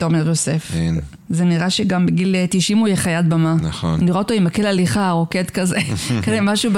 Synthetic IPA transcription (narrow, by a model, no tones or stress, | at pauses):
toʁmeʁjosef | zeniʁaʃeɡambeɡilt̪iʃimujeχajad̪̚bamanao̰nniʁoot̪oimakelaliχaʁoket̪kazekazemaʃub